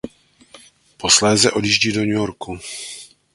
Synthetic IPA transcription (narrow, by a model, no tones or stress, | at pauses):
po̞slɛːzɛʔo̞djiːʒɟiːdo̞ɲujoɾku